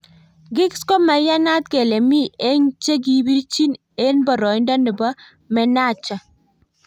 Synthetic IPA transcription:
ɡɪ˦ksko˦ma˨ja˦na˦t̚ke˨le˨mi˦e˦ɲt͡ʃe˦k̬i˨bi˦ɾt͡ʃi˦n | e˦nbɔ˨ɾɔ˨ɪ˦ndɔ˦nɪ˨bɔ˦ | mɛ˨na˦˨t͡ʃa˨

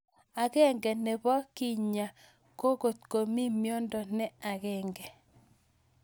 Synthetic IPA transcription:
a˨ɡɛ˦ŋɡɛ˨nɛ˨bɔ˦ki˦ɲa˨ | ko˦ɡo˨t̪ko˨mi˦mjɔ˦ndɔ˨nɛ˦a˨ɡɛ˦ŋɡɛ˨

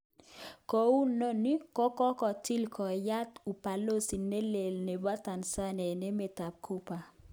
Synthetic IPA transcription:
kɔ˨˦u˦no˦ni˦kɔ˦kɔ˦kɔ˨ti˦lkɔ˨ja˦t̪u˨pa˨lo˦si˨ne˦le˨lne˨ba˦ta˨nsa˦nɛ˨ne˦me˨ta˨p̚kʰu˦pa˨

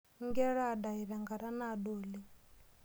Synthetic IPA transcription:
ŋɡɛ˦ɺaː˦˨ɗa˨i˨ɾa˨ŋɡa˨ɾa˦naː˦˨ɗoː˨li˦

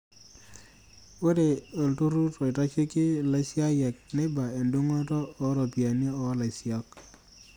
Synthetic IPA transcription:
we˦de˨o˨ltu˦ɾu˦tɔ˨i˨ta˦t͡ʃi˦kɪ˦la˨sja˦jɛ˨k̚nɪ˦ba˨e˨ndu˦ŋɔ˦tɔː˦ɾɔ˨pi˨a˨ne˦ɔ˨a˦la˨si˦a˦k̚

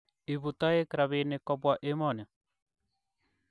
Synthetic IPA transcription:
i˨βu˨t̪a˦e˦kɾa˨βe˨ne˨kɔ˦bwa˨ʔe˦mɔ˨n˨a˨

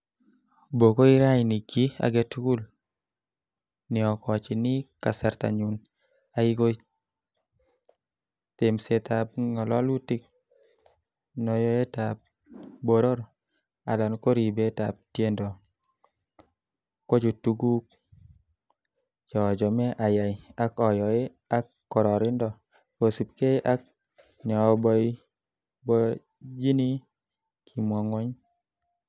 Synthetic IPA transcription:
bo˨ko˦i˦ɾa˦jni˨ɡi˦a̰˨ɡɛ˦tku˦l | nɪ˨ɔ˨kɔ˨t͡ʃɪ˨nɪ˦ka˨sa˨ɾt̪a̰˨ɲu˨n | a˦i˦ko˦ | t̪e˨msɛ˨t̪a˨b̚ŋɔ˨lɔ˦lwu˦tɪ˦k̚ | nɔ˨jɔ˦ɛ˦ta˨b̚ | bo˦ɾo˦ɾ | a̰˨lɔ˨nko˦ɾi˨be˦ta˨p̚tje˦ndɔ˨ | ko˦d͡ʒo˨tu˨ɡu˦k̚ | d͡ʒɔ˨d͡ʒɔ˨mɛ˦ʔa˨ja˨ja˦kɔ˨jɔ˨e˦ | a˦kːɔ˨ɾɔ˨ɾɪ˦ndɔ˨ | ko˨si˨p̚ke˦jʔa˦k̚ | nɛ˨ɔ˨bɔ˦i | bɔ | d͡ʒi˦ni˦ | kʰi˨mwɔ˨ŋɔ˦ɲ

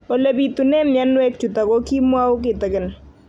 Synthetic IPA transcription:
o˨le˨bi˨t̪u˨nɛ˦mja˦nwɛ˦k̚t͡ʃu˨ta˨ko˦ki˦mwa˦wʊ˦k̬ɪ˨t̪ɪ˨kɪ˦˨n

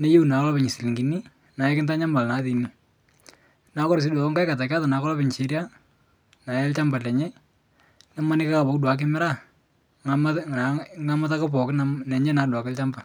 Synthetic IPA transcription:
ne˦ju˦u˨na˨kɔ˦lɔ˦pɪ˨ɲɪ˨si˨li˨ŋɡi˨ni˦ | na˨jɛ˦kɪ˦nta˦ɲa˦mba˨lna˨˦ði˨ni˦ | na˦kɔ˦ɾs̬i˦da˨ɔ˦ŋka˦ka˨ta˨ka˦ta˨na˨kɔ˦lɔ˦pɪ˨ɲ˨t͡ʃe˦ɾja˦ | na˨jɛ˦lt͡ʃa˦mba˨lɛ˨ɲɛ˦ | nɛ˦ma˦nɪ˦ka˦ka˨bɔ˨kdwa˨˦k̬ɪ˦mɪ˦ɾa˦˨ | ŋ˨ | ŋa˦ma˦ta˦ka˦pɔ˨kɪnnɛ˨ɲɛ˦na˨dwa˨kɪ˦lt͡ʃa˦mba˨

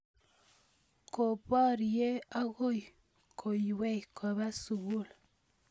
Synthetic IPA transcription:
ko˨pa˦ɾje˦a˦ɣo˦j | kʰo˨jwe˦jkʰa˨βa˦su˨ɣu˦˨l

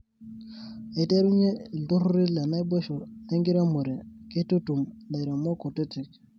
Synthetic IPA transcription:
e˨te˦ɾu˦ɲe˦˨du˦ɾu˦ɾi˦la˨na˦be˦ʃo˨ne˦ŋɡi˦ɾa˦mu˨ɾe˨ke˦tu˦tu˨mda˨ɾo˨mo˦ko˨te˦ti˨k̚

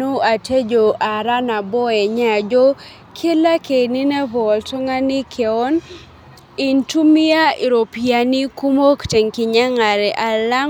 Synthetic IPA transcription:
o˦a˨te˦d͡ʒo˨ʔa˨ɾa˦na˨bɔ˦ɛ˨ɲa˨d͡ʒo˦ | kʰe˦la˦ke˨ni˦nɛ˦vɔ˨ltɔ˦ŋa˦ni˦kʰe˨ɔ˦n | ɪ˨ntu˦mɪ˦a˦i˨ɾo˨pija˨ni˦ku˦mo˦kte˨ŋkɪ˨ɲa˦ŋa˨ɾɛ˨ʔa˨la˦

